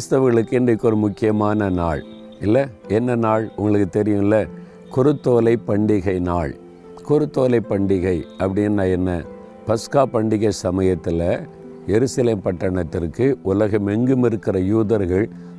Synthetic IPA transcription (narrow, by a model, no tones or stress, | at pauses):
kɾst̪ɐʋɐɣɐɭɯkːɯɛndɐkːɔɾɯmʊkːɪjɐmaːnɐnaːɭ | ɪlːɐɛnːɐnaːɭʊ̰ŋɡɐɭɯkːɯt̪ɛɾɪjʊ̃ɪlːɐ | kʊɾɯt̪ːoːlɐɪpːɐɳɖɪɣɐɪnaːɭ | kʊɾɯt̪ːoːlɐɪpːɐɳɖɪɣɐɪɐpːɐɽɪnːaːɛnːɐ | pɐskaːpɐɳɖɪɣɐɪsɐmɐjɐt̪ːɪlɐ | jɛɾɯsɐleːmpɐʈːɐɳɐt̪ːɪrkɯʔʊlɐɣɐmɛŋɡɯmɪɾɯkːɪrɐjuːðɐɾɣɐɭ